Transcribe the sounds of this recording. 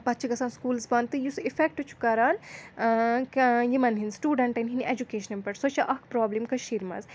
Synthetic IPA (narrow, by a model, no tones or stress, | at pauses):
pɐt̪ːt͡ʃʰiɡɐsaːnskuːlsbɐnt̪ɨjusifʰek̚ʈɨt͡ʃʰu̥kɐɾaːn | kjimɐnɦinsʈuːɖɐɳʈɐnɦinʔed͡ʒukeːʃɐnɐmpɐʈsɐt͡ʃʰɐʔɐɦkpɾaːblimkɐʃiɾmɐ̰z